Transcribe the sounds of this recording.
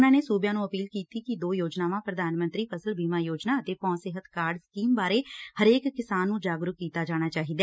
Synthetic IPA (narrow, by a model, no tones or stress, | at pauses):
nãːneːsuːbjãːnũːəpiːlkiːt̪ikid̪oːjoːd͡ʒnaːʋãːpɾəd̪ʱaːnmə̃nt̪ɾiːpʰəsəlbʱiːmaːjoːd͡ʒnaːət̪eːpɔ̃ːnsɪɦət̪kaːɾɖskiːmbaːɾehəɾeːkːɪsaːnːũːd͡ʒaːɡɾʊkkːiːt̪ad͡ʒaːɽ̃aːt͡ʃaːɦiːd̪aɛː